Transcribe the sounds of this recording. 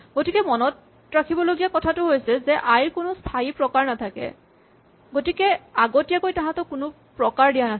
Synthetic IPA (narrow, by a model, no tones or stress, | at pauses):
ɡotikɛmɔnɔt | ɹakʰibɔloɡijakɔtʰatʊɦojsɛzɛʔajɹkʊnʊstʰaipɹɔkaɹnatʰakɛ̰ | ɡotikɛaɡotijakojtaɦãtɔkʊnʊ | pɹɔkaɹdijana